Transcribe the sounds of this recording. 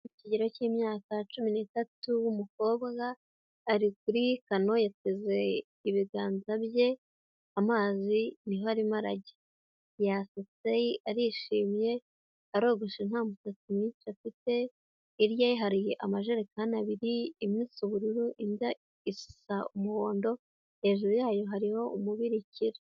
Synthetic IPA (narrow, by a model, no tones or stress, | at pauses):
iciɟeɾo̞ciːmɲaːkat͡ʃuminitatuwumuko̞ːβɡaː | ɾik̚uɾikano̞jateze̞ | iβiɡaːnzaβje̞ | amaːziniɦohaɾimaɾa̰ɟe | jaseteiʔaɾiʃiːmje̞ | aɾo̞ːɡoʃen̥haːmutatumɲiːnt͡ʃafite̞ː | ɾjaiɦaɾijeʔamaʒeɾekanaβiɾiːmɲiːsuβuɾuɾuʔinda | isi̥saumuo̞ːndo̞ | e̞ʒuɾujaːjo̞ɦaɾiho̞umuβiɾiciɾe